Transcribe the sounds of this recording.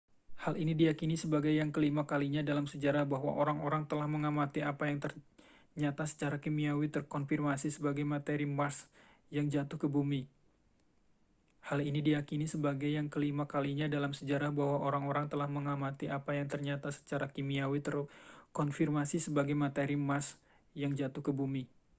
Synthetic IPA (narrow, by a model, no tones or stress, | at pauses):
halinidijakinisəbaɡajːaŋkəlimakaliɲadalamsəd͡ʒaɾahbaɦwa̰ʔoɾaŋoɾaŋt̪əlahməŋamat̪iapajaŋt̪ər | ɲat̪asə̥t͡ʃaɾakimiawit̪ərkɔnfirmasisəbaɡajmat̪eɾimas | jaŋd͡ʒat̪ʊhkəbumi | halinidijakinisəbaɡajaŋkəlimakaliɲadalamsəd͡ʒaɾahbahwaʔoɾaŋoɾaŋt̪əlahməŋamat̪iapajaŋt̪ərɲat̪asə̥t͡ʃaɾakimiawit̪ərkɔnfirmasisəbaɡajmat̪eɾimas | jaŋd͡ʒat̪uhkəbumi